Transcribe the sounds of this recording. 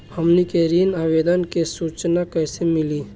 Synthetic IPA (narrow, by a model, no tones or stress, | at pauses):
həmnikeɾiːnaːʋeːd̪ənkesuːt͡ʃnakɛːsemɪliː